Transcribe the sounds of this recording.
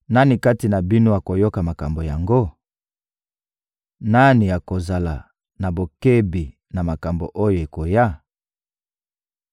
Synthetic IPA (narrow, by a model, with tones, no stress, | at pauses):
na˦ni˨ka˦ti˨na˨bi˦no˦a˨ko˨jo˦ka˨ma˨ka˨mbo˨ja˨ŋɡo˦ | na˦ni˨ja˨ko˨za˨la˨ | na˨bo˨ke˦bi˨ | na˨ma˨ka˨mbo̰˨ʔo˦jo˨e˨ko˨ja˦˨